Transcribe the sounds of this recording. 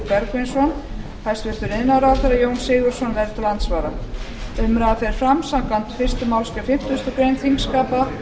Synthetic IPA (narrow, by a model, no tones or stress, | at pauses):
pɛɾkejnsɔn | hajst̪vɪɾt̪ʏɾɪðnawɾaɾθɛɾajownsɪːɣʏɾ̥sɔnvɛɾt̪ɪlant̪svaːɾa | ʏmɾaðafɛɾɪɾ̥fɾamsakant̪fɪr̥st̪ʏmawlskɛfɪm̥t̪ʏst̪ɔkɾejnθiŋkskaːpa